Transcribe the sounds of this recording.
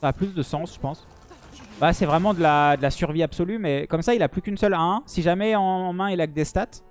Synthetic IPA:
plysd̪əsɑ̃sʒə̥pɑ̃s | basɛvʁɛmɑ̃d̪əlad̪əlasyʁviapsɔlymɛkɔmsailaplykʲynsœlɛ̃siʒamɛɑ̃mɛ̃ilak̚d̪est̪at̪

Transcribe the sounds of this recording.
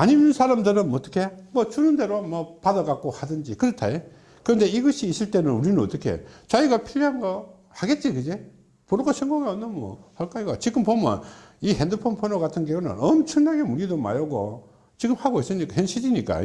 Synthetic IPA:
aɲimnsʰaɾamdɯɾɯnmʌt͈ʌ̥kʰe̞mʌt͡ɕunɯnde̞ɾomʌpadʌɡak͈ohadɯnd͡ʑikɯɾʌtʰa̰e | kɯɾʌnde̞iɡʌɕʰiːs͈ɯɭt͈e̞nɯnuɾinɯnʌt͈ʌkʰe̞̰t͡ɕaiɡapʰiʎːɦanɡʌ | haɡe̞t̚t͡ɕ͈ikɯd͡ʑe | ponɯɡoɕʰʌŋɡoɡaonːɯnmʌ̰haɭk͈aiɡat͡ɕiɡɯmpomʌ̰nihendɯpʰonpʰonoɡatʰɯnɡeɡunɯ̰nʌmt͡ɕʰʌŋnaɡemuʎidoma̰joɡo̰ | t͡ɕiɡɯmhaɡois͈ɯɲik͈ahjenɕʰiɾiɲik͈a̰

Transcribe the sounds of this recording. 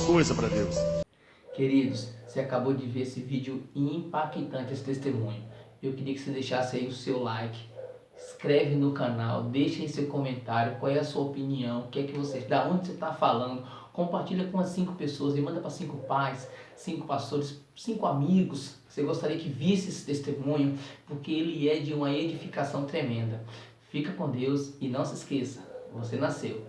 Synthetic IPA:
kojzɐpɾɐd̪ews | keɾid̪ʊsseakabod͡ʒɪveɾesɪvid͡ʒɪʊĩĩpakit̪ɐ̃nt͡ʃɪesɪ̥t̪est̪emũɲʊewkɪɾiɐkɪ̥sed̪ejʃasɪɐiʊsewlajkɪ̥ | skɾɛvɪnʊkɐna̰wd̪ejʃɐisewkõmẽnt̪aɾjʊkwawɛɐsuɐopiniɐ̃w̃ʊkɪɛkɪvosed̪ɐõd͡ʒɪset̪afalɐ̃nd̪ʊ | kõmpaɾt͡ʃiʎɐkõɐsĩŋkʊ̥pesoɐzɪmɐ̃nd̪ɐpɾɐsĩŋkʊpajsː | ĩŋkʊpast̪oɾɪs | sĩŋkʊamiɡʊsoseɡost̪aɾiɐkɪvisɪesɪ̥t̪est̪emũɲʊpoɾkeelɪɛd͡ʒɪũmɐed͡ʒifikasɐ̃w̃t̪ɾemẽnd̪ɐ | fikɐkõd̪ewsɪnɐ̃w̃sɪskesɐ̥vosenasḛw

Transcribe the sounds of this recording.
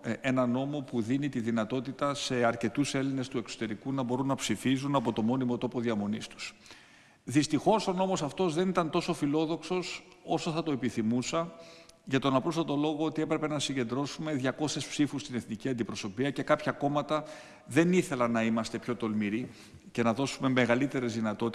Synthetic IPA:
e̞nɐno̞mo̞puðinit̪iðinɐt̪o̞t̪it̪ɐse̞ɐɾce̞t̪use̞line̞st̪ue̞kso̞̥t̪e̞ɾikunɐbo̞ɾunːɐpsifizunɐpo̞t̪o̞mo̞nimo̞t̪o̞po̞ðiɐmo̞nist̪u̥s | ðist̪ixo̞so̞no̞mo̞sɐft̪o̞zðe̞nit̪ɐnt̪o̞so̞filo̞ðo̞kso̞s | o̞soθɐt̪o̞e̞piθimusɐʝɐt̪o̞nɐpɾo̞sɐt̪o̞lo̞ɣoot̪ie̞pɾe̞pe̞nɐsiɲɟe̞nd̪ɾo̞sume̞ðʝɐko̞sespsifust̪ineθniciɐnd̪ipɾoso̞piɐce̞kɐpçɐko̞mɐt̪ɐ | ðe̞niθe̞lɐnɐimɐst̪e̞pço̞t̪o̞lmiɾi | ce̞nɐðo̞sume̞me̞ɣɐlit̪e̞ɾe̞zðinɐt̪o̞t̪i

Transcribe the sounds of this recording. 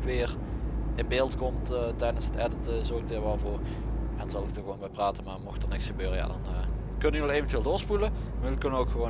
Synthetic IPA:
ʋɪːrɪnbeːlˠtkɔmtːtɛjdənsɦətɛdətəzoɪk̚dəɹʋɛlˠvʊːrʔɛnzɑlˠɪk̚dəɣəʋownbɛjpraːtəmaːmɔxtənɪksxəbøːrəja̰ːdɑn | kɵnynɔxeːjvəntvɪːlˠdoːɹspuləməlkønənowkxəʋo

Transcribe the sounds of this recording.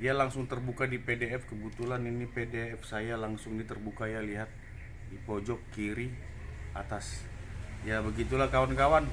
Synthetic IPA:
dialaŋsʊŋt̪ərbukadipedeɛfkəbut̪ulaninipedeɛfsajalaŋsʊŋnit̪ərbukajaliɦat̪̚ | dipɔd͡ʒɔkːiɾi | a̰t̪as | jabəɡit̪ulahkawankawan

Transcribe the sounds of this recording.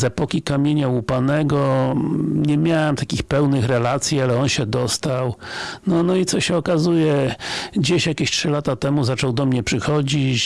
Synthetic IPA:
zɛpɔkʲikamʲjeɲaupanɛɡɔ | ɲɛmʲjawɛmt̪akʲixpɛwnɘxɾɛlat̪sʲjialɛɔnɕɛd̪ɔst̪awnɔnɔit̪sɔɕɛɔkazujɛd͡ʑeɕjakʲeɕtʂɘlat̪at̪ɛmuzat͡ʂɔwd̪ɔmɲɛpʂɘxɔd͡ʑit͡ɕ

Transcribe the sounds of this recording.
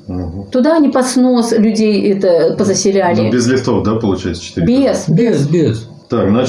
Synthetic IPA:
ɦ̩t̪ʊd̪aɐnʲipɐt̪snoslʲʊdʲejɛt̪əpəzəsʲɪlʲalʲɪbʲɪzlʲɪft̪ofd̪apəlˠʊt͡ɕɛjɪt̪sə̥t͡ɕɪ̥t̪iɾʲbʲesbʲesbʲes | t̪akzna

